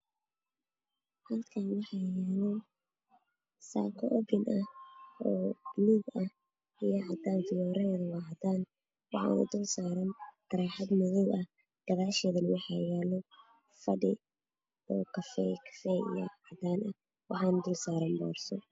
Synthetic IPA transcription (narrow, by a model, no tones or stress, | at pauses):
hɐlkʰaːnwɑħɑjɛːlɔ | sa̰ːkʰɔʔɔbɪnʔɐhɔːbliɡɐh | ijɐʕɑd̪aːnfɪjɔːɾɐɛːðɐwɑːɦd̪aːn | wɑħɑ̰ːnɐ̰d̪uːlsaːɾɐnt̪ʰɐɾɛːħɑd̪mɪðɪwɐh | d̪̥ɐɣaːʃɛːðɐnɪwɑħɑ̰jɛːlɔ | fɐɖɪ̰ | ɔːkʰɐfɛkʰɐ̥fɛḭjɐ̰ʕɑd̪aːnʔɐ | wɑħɑːnɐd̪uːlsaːɾɐmbɔ̰ːrsɔ̰